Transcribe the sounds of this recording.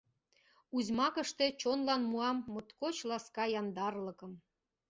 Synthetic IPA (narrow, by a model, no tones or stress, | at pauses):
uzmɑkə̆ʃt̪ĕt͡ɕonlɑnmuɑmːot̪kot͡ɕlɑskɑjɑnd̪ɑrlɤ̆kɤ̆m